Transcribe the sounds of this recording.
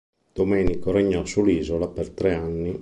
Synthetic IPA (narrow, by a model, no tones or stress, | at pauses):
d̪̥omɛːnikoɾeɲːɔsulːiːzolapert̪ɾeanːi